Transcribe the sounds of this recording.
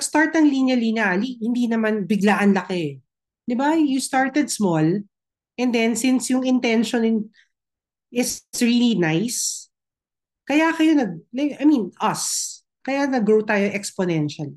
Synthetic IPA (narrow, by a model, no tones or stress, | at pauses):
nɐɡst̪aɹt̪̚ɐŋlinjɐlinjɐalihɪnd̪inɐmanbɪɡlaʔɐnlɐkɛ | d̪ɪbajust̪aɹt̪ɛd̪smɔl | ʔɛnd̪ɛnsɪnsjʊŋɪnt̪ɛnʃɔnn | ɪsɹilinajs | kɐjakɐjo̞nɐɡ̚lɐʔɐjminʔɐs | kɐjanɐɡɹowt̪aːjoʔɛkspɔnɛnʃɐl